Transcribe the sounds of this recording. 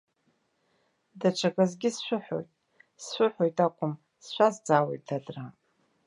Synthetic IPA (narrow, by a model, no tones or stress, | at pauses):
dat͡ʃʷʰakʼazɡʲɪsʃʷʊħo̞̰jtʼ | sʃʷʊħʷojtʼakʷʼʊm | sʃʷazd͡zaːwejtʰadra